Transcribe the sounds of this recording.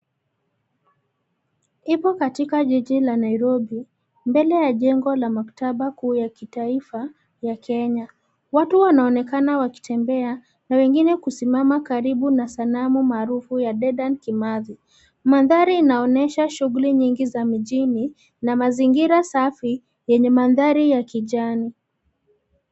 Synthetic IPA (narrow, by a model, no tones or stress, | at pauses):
ipɔkatikaʄiʄilanaiɾɔɓi | mbɛlɛjaʄɛŋɡɔlamakḁtaɓakuːjakitaifa | jakʰɛɲa | watuwanaɔnɛkanawaki̥tʰɛmbɛa | nawɛŋɡinɛkusimamakaɾiɓunasanamumaːɾufujaɗɛɗankimaði | manðaɾiːnaɔnɛʃaʃuɣuliɲiŋɡizamiʄini | namaziŋɡiɾasafi | jɛɲɛmanðaɾijakiʄani